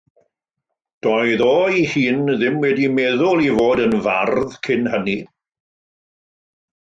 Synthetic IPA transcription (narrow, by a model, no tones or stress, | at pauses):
d̥ɔjðɔːihiːnðɪmwɛdimɛðʊlˠivoːdənva̰rðkʰɪnhəni